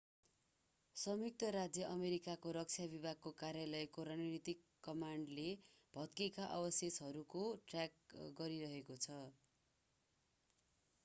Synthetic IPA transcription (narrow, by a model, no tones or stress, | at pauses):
sʌmjuk̚t̪ʌɾad͡zjʌʔʌmeɾikakoɾʌk̚t͡sʰjabibʱaɡ̚kokaɾjalʌjkoɾanʌnit̪ikːʌmaɳɖlebʱʌt̪̚kekaʔʌ̰bʌsjet͡sɦʌɾukoʈrjakɡʌɾiɾʌɦekot͡sʰʌ